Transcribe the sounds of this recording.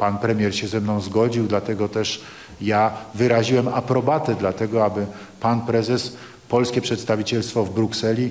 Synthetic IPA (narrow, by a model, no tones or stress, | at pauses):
panpɾɛmʲjɛɾɕɛzɛmnɔ̃w̃zɡɔd͡ʑiwd̪lat̪ɛɡɔt̪ɛʂ | javɘɾaʑiwɛmapɾɔbat̪ɛd̪lat̪ɛɡɔabɘ | panpɾɛzɛs | pɔlskʲɛpʂɛt̪st̪avʲit͡ɕɛlst̪fɔvbɾuksɛlʲi